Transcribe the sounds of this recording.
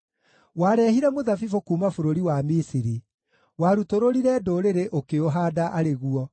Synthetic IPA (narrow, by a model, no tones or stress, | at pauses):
waːɾɛhiɾɛmoðafifokuːmafoɾoɾiwamisiɾi | waːɾutoɾoɾiɾɛdoɾeɾeʔokeoɦadaʔaɾeɣuɔ